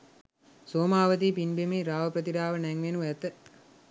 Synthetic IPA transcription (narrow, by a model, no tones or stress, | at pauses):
soːmaːʋət̪iːpinbemeːɾaːʋəpɾət̪iɾaːʋənɛŋʋenuʋæt̪ə